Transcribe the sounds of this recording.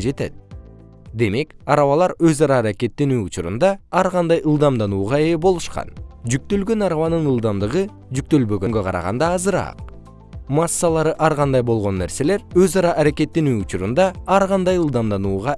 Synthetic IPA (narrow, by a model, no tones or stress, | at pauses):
d͡ʒe̞t̪et̪̚ | d̪e̞me̞kɑɾɑβɑlˠɑɾøzɑɾɑːɾake̞t̪ːinyjut͡ʃuɾṵnd̪ɑɑɾʁɑnd̪ɑjʔɯlˠd̪ɑmd̪ɑnuːʁɑebo̞lˠuʃqɑ̰nd͡ʒyk̚t̪ø̞lɡø̞nɑɾɑβɑnɯnɯlˠd̪ɑmd̪ɯʁɯ | d͡ʒyk̚t̪ø̞lbø̞ɡø̞ŋɡø̞qʰɑ̰ɾɑ̰ʁɑ̰nd̪ɑːzɯɾɑ̰q | mɑsːɑlˠɑɾɯʔɑɾʁɑnd̪ɑjbo̞lˠʁo̞nːe̞ɾse̞le̞ɾøzɑɾɑʔːɾake̞t̪ːinyjut͡ʃuɾund̪ɑɑɾʁɑnd̪ɑjɯlˠd̪ɑmd̪ɑnuːʁɑ